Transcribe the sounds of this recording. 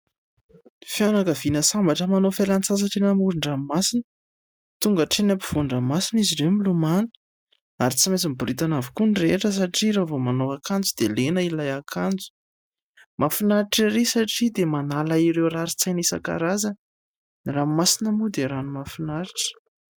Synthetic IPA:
fianakəvinəsambaʈ͡ʂəmanofalant͡sazaʈ͡ʂenəmuɾiɳramasinə | t̪uŋɡaʈ͡ʂenapiv̥uɳɖ͡ʐəmasiniziɾewmilumanə̥ | aɾit͡simet͡simbuɾit̪anavikunireʈ͡ʂəs̬aʈ͡ʂiɾovomanoakand͡zud̪̥elenəilajakʰand͡zu̥ | mʔafinaɾiʈ͡ʂiɾesaʈ͡ʂid̪emanalaiɾewɾraɾit͡sajnisa̰ka̰ɾazə | niramasinəmud̪eɾanumafinaɾiʈ͡ʂə̥

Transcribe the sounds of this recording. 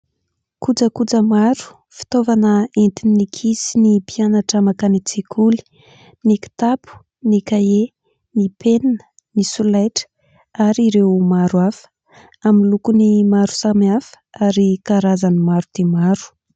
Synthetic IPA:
kud͡zəkud͡zəmaɾu̥ | fi̥t̪ovanəent̪inikʰisinipianaʈ͡ʂamakanit͡sikʰuli̥ | niki̥t̪apu̥ | nikae | nipʰenanə̥ | nisulajʈ͡ʂə̥ | aɾiɾewmaɾuafə̥ | amilukunimaɾu̥samafə̥aɾikaɾazanimaɾud̪̥emaɾu̥

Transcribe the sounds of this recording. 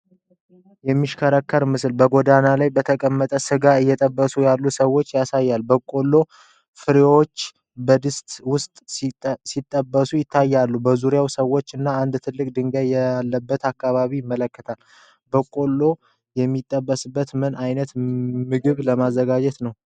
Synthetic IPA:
jɛmːiʃkʰəɾəkːəɾmɨsɨlbəɡod̪analajbət̪ʰəkʼəmːət̪ʼəsɨɡaɨjːɛt̪ʼəbːəsujalːusəwo̞t͡ʃːjasajːalbəkʼo̞lːo̞ | fɨɾewot͡ʃː | bəd̪ɨst̪ʼwʊst̪ʼsit̪ʼːəbːəsujɪt̪ʰːajːalːubəzuɾjawsəwːot͡ʃːɨnːaand̪t̪ʰɨlːɨkʼd̪ɨŋɡajɛlːəbːət̪akːaβaβijɪmːələkːət̪ʰal | bəkʼo̞lːo | jɛmːit̪ʼːəbːəsɨbːət̪mɨnajnət̪mɨɡɨβləmazːəɡad͡ʒɛt̪nəw

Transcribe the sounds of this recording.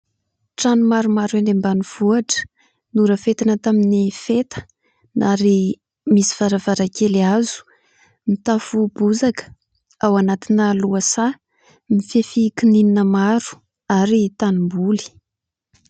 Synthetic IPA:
ʈ͡ʂanumaɾumaɾuand̪embanuv̥uaʈ͡ʂə̥ | nuɾəfet̪anət̪aminifet̪ə̥ | naɾi | misi̥v̥aɾavaɾakeliazu̥ | mit̪afubuzakə̥ | awanat̪inəluasa | mifefikinininəmaɾu̥ | aɾit̪animbuli̥

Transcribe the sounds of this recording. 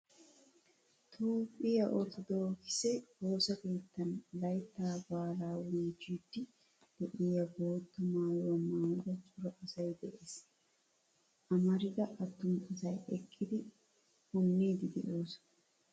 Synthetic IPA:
t̪ʰuːpʼːɪjɐʔot̪ɔd̪o̞ːkɪ̥sɛbo̞ːsɐke̞ːt̪ːɐnlɐjt̪ːaːbaːlaːwiːd͡ʒiːt̪ːɪ | d̪̥ɛʔɪjɐbo̞ːt̪ːɐmaːjowɐmaːjɪd̪ɐt͡ʃʼʊɾɐʔɐsɐjd̪ɛʔeːs | ʔɐmɐɾɪd̪ɐʔɐt̪ːʊmɐsɐjɛkʼːɪd̪ɪ | hʊnːiːd̪ɪd̪ɛ̰ʔoːs

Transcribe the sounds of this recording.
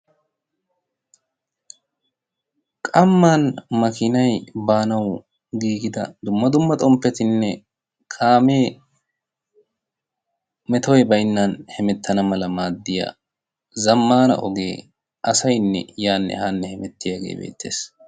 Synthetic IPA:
kʼɐmːaːnmɐkɪnɐjbaːnɐw | ɡiːɡɪd̪ɐ̰d̪ʊmːɐd̪ʊmːɐt̪ʼɔmpːɛt̪ɪnːɛ | kʼaːmeː | mɛt̪ɔjbɐjnːɐnhɛmɛt̪ːɐnɐmɐlɐmaːd̪ːɪja̰ | zɐmːaːnɐ̰ʔɔɡe̞ː | ʔɐsɐjnːɛ̰jaːnːɛ̰haːnːɛhɛmɛt̪ːɪjaɡḛːbḛːt̪ːe̞̰ːs

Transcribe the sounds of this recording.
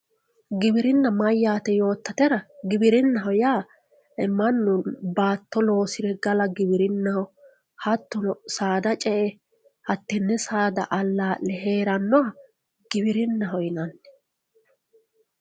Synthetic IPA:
ɡɪbɪɾɪnːɐmɐjːaːt̪ɛjo̞ːt̪ːɐt̪ɛɾɐɡɪbɪɾɪnːɐɦɔjaː | ɪmːɐnːʊnbaːt̪ːɔlo̞ːsɪɾɛɡɐlɐɡɪbɪɾɪnːɐhɔ | hɐt̪ːɔnɔsaːd̪ɐt͡ʃʼɛʔɛ | hɐt̪ːɛnːɛsaːd̪ɐ̰ʔɐlːaːlɛɦeːɾɐnːɔɐ | ɡ̥ɪbɪɾɪnːɐɦɔjɪnɐnːɛ̥

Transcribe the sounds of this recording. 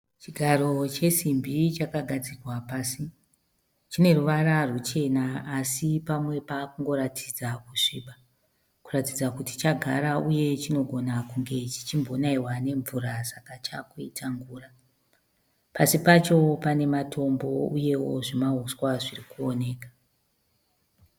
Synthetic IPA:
t͡ʃiɡʱaɾo̞t͡ʃe̞simbit͡ʃakaɡʱad͡zirwapaːsi | t͡ʃine̞ruʋaɾarut͡ʃe̞naaːsipamwe̞paːkuŋɡo̞ɾatʰid͡zakuʂiːɓa | kuratid͡zakuti̥t͡ʃaɡʱaɾauje̞t͡ʃino̞ɡʱo̞nakuŋɡe̞t͡ʃi̥t͡ʃimbʱo̞naiwane̞ɱvuɾasakat͡ʃakuitʰaŋɡuːra | pasipat͡ʃo̞pane̞matʰo̞mbo̞uje̞wo̞̰ʐimauswaʐirikuone̞ːkḁ

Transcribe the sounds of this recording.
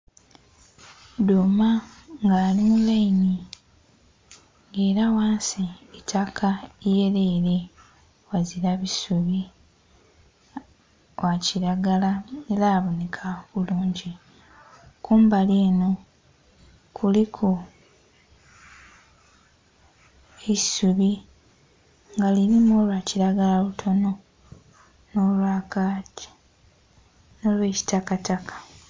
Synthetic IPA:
dumaŋɡaːlimulːaini | ŋɡeːɾawaːnsiitʰakʰaejeɾeːɾe̞ | waziɾaβisuβi | waciɾaɡalaneɾaːβonekʰaβuluːɲɟi | kʰuːmbaleːno̞ | kʰulikʰu | isuβi | ŋɡaliɾimolwaciɾaɡalalutʰo̞no̞ | no̞lwaːkati̥ | no̞lwe̞ːci̥takatakḁ

